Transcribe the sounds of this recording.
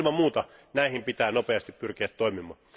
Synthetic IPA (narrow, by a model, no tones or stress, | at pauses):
mɑmuːt̪ɑnæihimpit̪æːnopeɑst̪ippyrkiæt̪toimimɑː